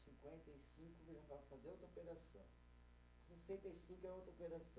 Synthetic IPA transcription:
sĩŋkwẽnt̪ejsĩŋkʊviɾɐ̃fafazeɾawt̪opeɾasɐ̰̃w̃ | sesẽnt̪ejsĩŋkʊɛawt̪opeɾasɐ̃

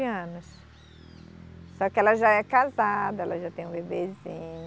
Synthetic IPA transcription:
ɐ̃nʊs | sɔkɪɛlɐʒaɛkazad̪ɐɛlɐʒat̪ẽj̃ũbebezĩɲ

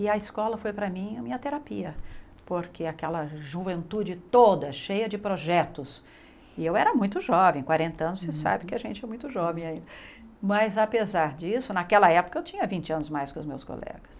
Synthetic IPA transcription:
ɪɐiskɔlɐfojpɾɐmĩɐmĩɲɐt̪eɾapiɐ | poɾkɪakɛlɐʒuvẽnt̪ud͡ʒɪt̪od̪ɐʃejɐd͡ʒɪpɾoʒɛt̪ʊs | ɪewɛɾɐmũj̃t̪ʊʒɔvẽj̃kwaɾẽnt̪ɐɐ̃nʊsesa̰bɪkɪaʒẽnt͡ʃɪɛmũj̃t̪ʊʒɔvẽj̃aĩnd̪ɐ | mɐzapezaɾd͡ʒisʊnɐkɛlɐɛpʊ̥kɐewt͡ʃĩɲɐvĩnt͡ʃɪɐ̃nʊzmajskõʊzmewsko̰lɛ̰ɡɐs

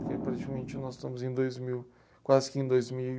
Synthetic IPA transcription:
ʊɾkepɐɾt͡ʃikɐmẽnt͡ʃɪnɔzɪʃt̪ɐ̃mʊzẽj̃d̪ojzmiw | kwazɪkɪẽj̃d̪ojzmii

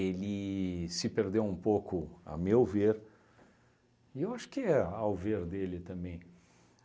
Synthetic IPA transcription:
elɪsɪpeɾd̪ewũpokʊa̰mewveɾ | ɪewaʃʊ̥kɪɛawveɾd̪elɪt̪ɐ̃mbẽj̃

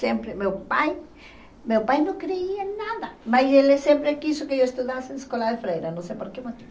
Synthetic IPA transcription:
sẽmpɾɪmewpaj | mewpajnõŋkɾeianaðɐmajselɛsẽmpɾakisʊkɪewest̪uðasẽŋeskɔlaðefɾejɾɐnõsejpoɾkemot̪i

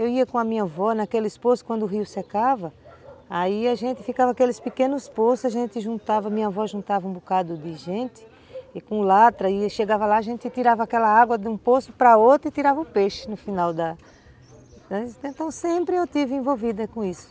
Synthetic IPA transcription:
ewiɐkõɐmĩɲɐvɔnɐkelɪsposʊ̥kwɐ̃nd̪ʊɦiʊsekavɐaiaʒẽnt̪ɪfikavɐakelɪspɪkẽnʊsposʊaʒẽnt̪ɪʒũnt̪avɐmĩɲɐvɔʒũnt̪avɐũbukad̪ʊd̪ɪʒẽnt̪ɪ̥ | ɪkõlat̪ɾɐɪʃeɡavɐlaːʒẽnt̪ɪt̪iɾavɐakɛlɐaɡwɐd̪ũposʊpɾɐot̪ɾʊɪt̪iɾavɐʊpeʃɪnʊfinawd̪ɐ | ɐẽt̪ɐ̃w̃sẽpɾɪewt̪ivɪẽvowvid̪ɐkõisʊ̥

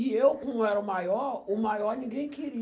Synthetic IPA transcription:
iewkũɛɾumajɔumajɔnĩɡẽkiɾi

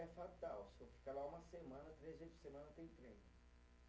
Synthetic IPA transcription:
ɛfat̪awsɪvofi̥kalaũmɐsemɐ̃nɐt̪ɾezejd͡ʒɪ̥semɐ̃nɐt̪ẽj̃t̪ɾẽjn

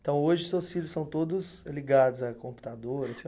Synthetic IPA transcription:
t̪ɐ̃w̃oʒɪʊsewsfilʲʊsɐ̃w̃t̪od̪ʊs | liɡad̪ʊzɐkõmpu̥t̪ad̪oɾɐsĩ

